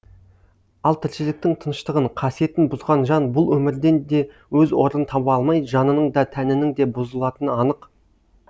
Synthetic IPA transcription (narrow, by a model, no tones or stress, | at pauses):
ɑlˠt̪ʰɪɾʃɪlɪk̚t̪ɪŋt̪ʰənəʃt̪əʁəɴqʰɑsije̞t̪ɪnbʊzʁɑnʒɑnbʊlˠwɵmɪɾd̪e̞nd̪e̞ | wɵzwo̞ɾənt̪ʰɑpɑlˠmɑjʒɑnənəɴd̪ɑt̪ʰænɪnɪŋd̪e̞bʊzəlˠɑt̪ənɑnəq